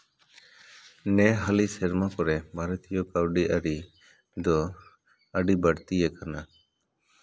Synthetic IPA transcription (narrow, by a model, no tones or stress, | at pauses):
nɛɦalisɛɾmakɔɾɛmaɾət̪ʰijɔkawɖiʔaɾi | d̪ɔ | əɖibaɽt̪ijɛkana